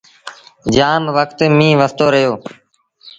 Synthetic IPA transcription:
d͡ʒaːmʋəkt̪mĩːʋəst̪oːɾəɦjoː

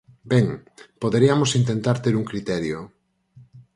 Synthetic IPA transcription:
beŋpoðeɾiamosint̪ent̪aɾt̪eɾuŋkɾit̪ɛɾjo

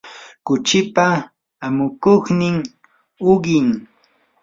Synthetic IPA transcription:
kʊt͡ʃɪpa | amʊkoχnɪŋ | ʊɢɪŋ

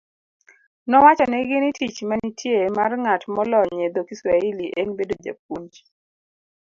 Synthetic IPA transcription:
nɔwat͡ʃɔnɛɡɪnitit͡ʃmanitʰjemarŋatmɔlɔɲed̪okiswailiʔeŋbedod͡ʒa̰p̚uɲt͡ʃ

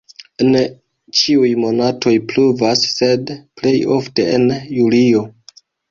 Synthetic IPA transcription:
en | t͡ʃiujmo̞natʰo̞jpluvasːe̞dple̞jo̞fte̞enjulio̞

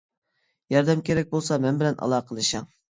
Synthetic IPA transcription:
jɑɾd̪ɛmkʲeɾɛk̚ʲbolˠsɑmɛnbɪlɛnʔɑ̰lˠɑːqʰəlˠɨʃɑŋ

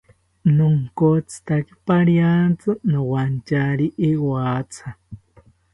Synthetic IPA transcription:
nuŋkot͡sɨ̥t̪akipaɾjant͡sɨnowant͡ʃaɾiʔewaːt͡sʰa

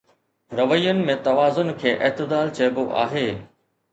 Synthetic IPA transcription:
ɾɐʋəjʊnɪ̆mẽt̪ɐʋaːzʊnkʰeːʔɐɦt̪ɪd̪aːlt͡ɕɐːboʔa̰ːɦeː

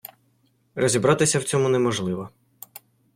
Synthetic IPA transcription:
rɔzʲibɾɑt̪ɪsʲɐwt͡sʲɔmʊnɛmɔʒlˠɪʋɔ

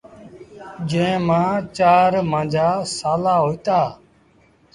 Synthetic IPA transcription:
d͡ʒẽːmãːt͡ʃaːɾmãːd͡ʒʱaːsaːlaːɦoːiːt̪aː

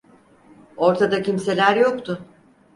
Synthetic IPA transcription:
o̞ɾt̪ʰad̪acimse̞lʲæɾjo̞kt̪ʰʊ

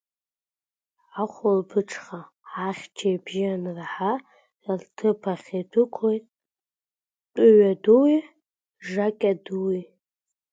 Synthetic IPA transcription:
aχʷʊlbɨʈ͡ʂʰχa | aχʲt͡ʃʰajbʒɪanrħa | altʰɨpʰaχʲetʷʰɨkʷʰejtʼ | tʷʼʊɥaduwi | ʐakʲʼaduwi

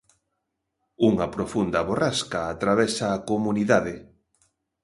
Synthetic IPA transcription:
uŋɐpɾofund̪ɐβoraskaːt̪ɾaβɛsaːkomuniðaðe

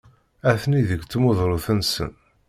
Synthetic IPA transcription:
æθniðəɡt͡sːmoðˤɾˤoθənsə̰n

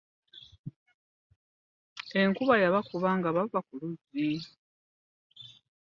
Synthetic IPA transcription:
e̞ŋkuβajaβakuβaŋɡaβavakuluzi

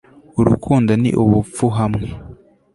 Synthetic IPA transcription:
uɾukʰuːndanḭʔuβufuɦamŋe

